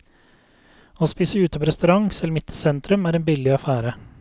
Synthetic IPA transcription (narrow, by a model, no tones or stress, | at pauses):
oːspiːsəʉːt̪əpoːɾɛst̪ʉɾɑŋsɛlmɪt̪ʰə̥sɛnt̪ʰɾʉmæːɾeːnbɪlɪɑfæːɾə